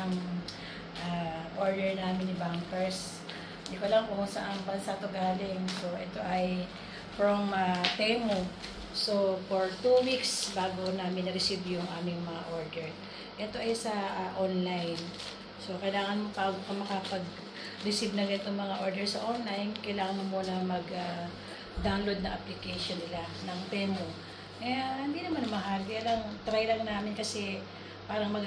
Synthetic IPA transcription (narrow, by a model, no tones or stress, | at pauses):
ɐŋ | ʔaʔoɹd̪ɛɹnaːmɪnɪbaŋkɛɹs | d̪ikolɐŋkʊusɐ̰ʔɐŋbɐnsat̪ʊɡaːlɪŋsoʔɛt̪o̞ʔɐj | fɹomɐfejmʊ | so̞foɹt̪uwiksbaːɡonaːmɪnɐɾɪsibjʊŋʔaːmɪŋmɐŋa̰ʔo̞ɹd̪ɛɹ | ʔɛt̪o̞ʔɐjsɐʔʔonlajn | so̞kɐjlaːŋɐnmopaːɡokɐmɐkɐpɐɡ | ɾɪsibnɐɡɛnt̪ʊŋmɐŋaʔo̞ɹd̪ɛɹsɐʔonlajnkɐjlaːŋɐnomuːnɐmɐɡa | d̪aːlo̞d̪̚nɐŋʔɐplɪkɛjʃonːɪlanɐŋp̪ɛːmo | kɐjahɪnd̪iːnɐmanmɐɦaljalɐŋt̪ɾajlɐŋnaːmɪnkɐsɛ | paːɾɐŋmɐɡ